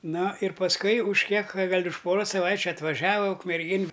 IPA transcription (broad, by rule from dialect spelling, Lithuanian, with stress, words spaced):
ˈnoː ɪr pɐsˈkʊɪ ʊʃ ˈkʲiɛk ˈɡɐlʲ ʊʃ ˈpoːroːs sɐˈʋɐɪt͡ʃʲʊ ɐtʋɐˈʒɑːʋɐ ʊkmʲɛrʲˈɡʲeːn